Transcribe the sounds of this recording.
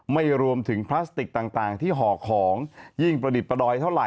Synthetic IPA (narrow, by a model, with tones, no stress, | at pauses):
ma˥˩jɾu˧əmt̪ʰɯ˩˦ŋpʰlaː˦˥st̪i˨˩k̚t̪aː˨˩ŋt̪aː˨˩ŋt̪ʰiː˥˩ɦɔː˨˩˦kʰɔː˩˦ŋji˥˩ŋpɾa˧di˨˩t̪̚pa˧dɔː˧jt̪ʰa˥˩wɾa˨˩